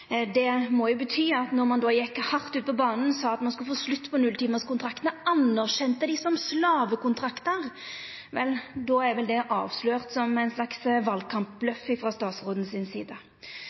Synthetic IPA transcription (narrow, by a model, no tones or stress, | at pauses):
d̪ɛmɔjʊbət̪ʰyːɑt̪nɔʁmɑnd̪ojɛkːhɑʁt̪ʉːt̪̚əpʰɔbɑːnn̩sɑːɑt̪mɑnskʉləfoːslʉt̪ːpɔnʉlt̪iːməskʊnt̪ɾɑkt̪əɑnːæʁɕɛnt̪əd̪ɪsɔmslɑːʋəkʊnt̪ʰɾɑkt̪əʁ | ʋɛ̰ld̪oːæɾʋɛld̪ɛʔɑ̰ːʋsløːʁt̪sɔmæɪnslɑksʋɑlkʰɑmplœfːɪfʁɑst̪ɑːt̪sʁoːd̪n̩sɪnsiːd̪ə